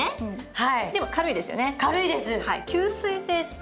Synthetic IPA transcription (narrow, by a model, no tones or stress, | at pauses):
ɯ̃ɴhaid̪e̞mo̞kaɾɯ̟id̪e̞sɨjo̞̰ne̞kaɾɯ̟id̪e̞sɨhaḭkʲɨːsɨise̞ːsɨ̥p